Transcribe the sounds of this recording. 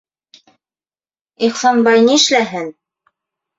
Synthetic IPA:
iχsɑnbɑjniɘ̆ʃlæɦɘn

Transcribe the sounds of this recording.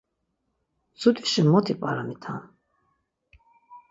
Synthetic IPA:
t͡sut̪ʰʼi̥ʃimɔt̪ʰipʼaɾamit̪ʰan

